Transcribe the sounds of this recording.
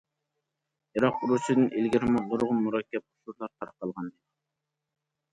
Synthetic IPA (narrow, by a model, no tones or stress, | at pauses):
iɾɑq̚uɾusɨd̪ɨnʔilɡʲiɾɪmɪʁʊɾʁʊnmuɾɑkʲʰːɛp̚ʊ̥ʃuɾlˠɑɾt̪ʰɑɾqːɑlˠʁɑnd̪ɨ